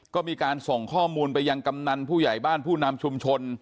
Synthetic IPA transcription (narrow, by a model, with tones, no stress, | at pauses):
kɔː˥˩miː˧kaː˧nso˨˩ŋkʰɔː˥˩muː˧npa˧jːa˧ŋka˧mna˧npʰuː˥˩ja˨˩jbaː˥˩npʰuː˥˩na˧mt͡ɕʰu˧mt͡ɕʰo˧n